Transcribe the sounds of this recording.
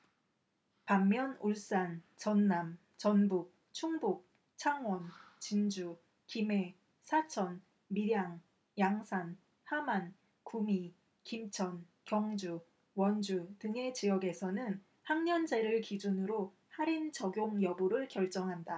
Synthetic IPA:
pamːjʌnuɭs͈ant͡ɕʌnːam | t͡ɕʌnbuk̚ | t͡ɕʰuŋbuk̚ | t͡ɕʰaŋwʌnt͡ɕind͡ʑu | kime̞ | sʰat͡ɕʰʌn | miɾjaŋ | jaŋsʰan | haman | kumi | kimt͡ɕʰʌn | kjʌŋd͡ʑu | wʌnd͡ʑutɯŋe̞t͡ɕijʌɡe̞sʰʌnɯn | haŋɲʌnd͡ʑeɾɯɭkid͡ʑunɯɾo | haɾint͡ɕʌɡjoŋjʌbuɾɯɭkjʌɭt͡ɕ͈ʌŋɦanda

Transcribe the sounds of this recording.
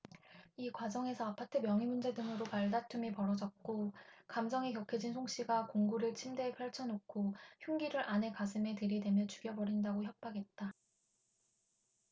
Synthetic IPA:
ikwad͡ʑʌŋe̞sʰʌapʰatʰɯmjʌŋimund͡ʑe̞dɯŋɯɾopaɭdatʰumipʌɾʌd͡ʑʌk̚k͈okamsʰʌŋikjʌkʰed͡ʑinsʰoŋɕ͈iɡakoŋɡuɾɯɭt͡ɕʰimde̞ːpʰjaɭt͡ɕʰʌnok̚kʰoçjuŋɡiɾɯɾʔane̞kas̬ʰɯme̞tɯɾidwe̞mjʌt͡ɕuɡjʌbʌɾindaɡoçjʌp̚p͈aɡe̞t̚t͈a

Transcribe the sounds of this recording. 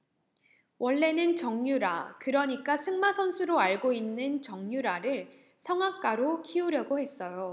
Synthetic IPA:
wʔʌɭːe̞nɯnt͡ɕʌŋɲuɾa̰kɯɾʌɲik͈asʰɯŋmasʰʌnsʰuɾoaɭɡoinːɯnt͡ɕʌŋɲuɾaɾɯɭ | sʰʌŋɦak̚k͈aɾokʰiuɾjʌɡohe̞s͈ʌjo

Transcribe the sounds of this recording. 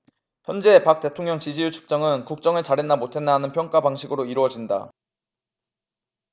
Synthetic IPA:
çjʌnd͡ʑe̞pak̚t͈e̞tʰoŋɲjʌŋt͡ɕid͡ʑijut͡ɕʰu̥k̚t͡ɕ͈ʌŋɯnkuk̚t͡ɕ͈ʌŋɯɭt͡ɕaɾenːamotʰe̞nːanɯnpʰjʌŋk͈abaŋɕʰiɡɯɾoiɾuʌd͡ʑinda̰

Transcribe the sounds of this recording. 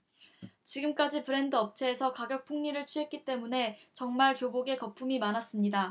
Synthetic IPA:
t͡ɕiɡɯmk͈ad͡ʑipɯɾe̞ndɯʌp̚t͡ɕʰe̞ːsʰʌkaɡjʌk̚pʰuŋɲiɾɯɭt͡ɕʰuɦe̞t̚k͈it͈e̞mune̞t͡ɕʌŋmaɭkjoboɡe̞kʌpʰumimanas͈ɯmɲida

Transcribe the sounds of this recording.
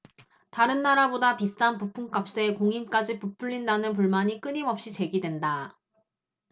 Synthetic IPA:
taɾɯnːaɾabodapist͈anpupʰuŋk͈ap̚s͈e̞koŋimk͈ad͡ʑipupʰuʎːindanɯnp̬uɭmaɲik͈ɯɲimʌp̚ɕ͈it͡ɕe̞ɡidwe̞nda

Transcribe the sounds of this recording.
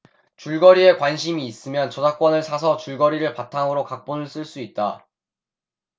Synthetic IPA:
t͡ɕuɭɡʌɾie̞kwanɕʰimiːs͈ɯmjʌnt͡ɕʌd͡ʑak̚k͈wʌnɯɭsʰas̬ʰʌt͡ɕuɭɡʌɾiɾɯɭpatʰaŋɯɾokak̚p͈onɯɭs͈ɯɭs͈uit̚t͈a

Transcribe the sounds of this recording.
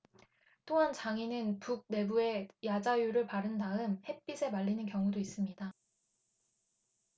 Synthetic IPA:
t͈oɦant͡ɕaŋinɯnpuk̚ne̞bue̞jad͡ʑajuɾɯɭpaɾɯnːaɯmhe̞p͈isʰe̞maɭːinɯnk̬jʌŋudois͈ɯmɲida

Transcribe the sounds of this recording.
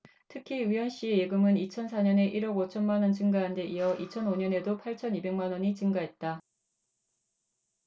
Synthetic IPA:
tʰɯkʰiijʌnɕ͈iejeɡɯmɯnit͡ɕʰʌnsʰaɲʌne̞ʔiɾʌɡot͡ɕʰʌnmanwʌnt͡ɕɯŋɡaɦande̞ʔiʌʔit͡ɕʰʌnoɲʌne̞dopʰaɭt͡ɕʰʌnibe̞ŋmanwʌɲit͡ɕɯŋɡaɦe̞t̚t͈a

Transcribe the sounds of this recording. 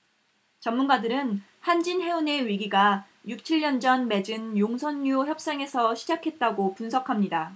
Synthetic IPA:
t͡ɕʌmmunɡadɯɾɯn | hand͡ʑinɦe̞une̞ɥiɡiɡa | juk̚t͡ɕʰiɭːʌnd͡ʑʌnme̞d͡ʑɯnjoŋsʰʌnːuoçjʌp̚s͈aŋe̞sʰʌɕʰid͡ʑakʰe̞t̚t͈aɡopunsʰʌkʰamɲida

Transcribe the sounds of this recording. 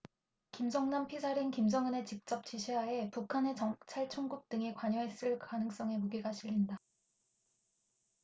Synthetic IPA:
kimd͡ʑʌŋnampʰisʰaɾinkimd͡ʑʌŋɯne̞t͡ɕik̚t͡ɕ͈ʌp̚t͡ɕ͈iɕʰiɦae̞pukʰane̞t͡ɕʌŋt͡ɕʰaɭt͡ɕʰoŋɡuk̚t͈ɯŋekwaɲʌɦes͈ɯɭkanɯŋs͈ʌŋe̞moɡiɡaɕʰiʎːinda

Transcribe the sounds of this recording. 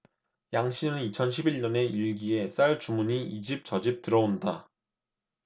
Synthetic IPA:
jaŋɕʰinɯnit͡ɕʰʌnɕʰibiɭɲʌne̞iɭɡie̞s͈aɭt͡ɕumuɲiid͡ʑip̚t͡ɕʌd͡ʑip̚t͈ɯɾʌonda

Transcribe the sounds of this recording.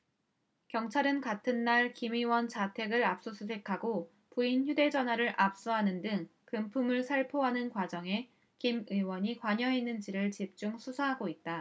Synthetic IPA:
kjʌŋt͡ɕʰaɾɯnkatʰɯnːaɭkimɯwʌnt͡ɕatʰe̞ɡɯɾap̚s͈osʰus̬ʰe̞kʰaɡo | puinçjude̞d͡ʑʌnɦwaɾɯɾʔap̚s͈uɦanɯndɯŋkɯmpʰumɯɭsʰaɭpʰoɦanɯnkwad͡ʑʌŋe̞ | kimɯwʌɲikwaɲʌɦe̞nːɯnd͡ʑiɾɯɭt͡ɕip̚t͡ɕ͈uŋsʰusʰaɦaɡoit̚t͈a

